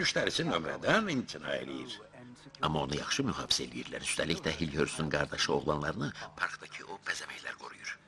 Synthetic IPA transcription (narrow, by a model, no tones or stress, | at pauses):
myʃt̪ʰɛɾisinømɾɛ̰d̪ænint̪ʰina̰ːḛlʲḭjiɾ̥ | amao̞nujaχʃɯmyɦaːbi̥selʲijiɾlʲæ̰ɾyst̪ʰɛlʲːict̪ʲɛɦilʲhøɾsynɡaɾd̪aʃɯo̞ɣlˠanlˠaɾɯnɯpʰaɾkd̪acʰiʔopʰezemɛçlʲæ̰ɾɡʰo̞ɾṵjuɾ̥